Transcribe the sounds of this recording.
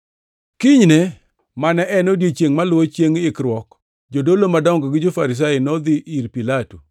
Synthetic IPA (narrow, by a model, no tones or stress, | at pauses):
kɪɲne | manɛʔɛnodjet͡ʃeŋmalwot͡ʃjeŋɪkɾwɔk | d͡ʒodolomadɔŋɡɔɡɪd͡ʒofaɾɪs̬ajɪnɔd̪ɪʔiɾpilatu